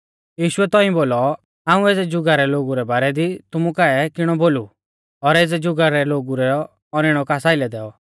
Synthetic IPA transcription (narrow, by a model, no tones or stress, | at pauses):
jiːʃʊɛt̪ɔĩboːlɔ | aːũeːd͡zɛd͡ʒʊɡaɾɛloːɡuɾɛbaːɾɛd̪it̪ʊmukaɛkɪɽ̃ɔboːlu | ɔɾeːd͡zɛd͡ʒʊɡaɾɛloːɡuɾɛ | ɔɾɪɽ̃ɔkasaːɪlɛd̪ɛːɔ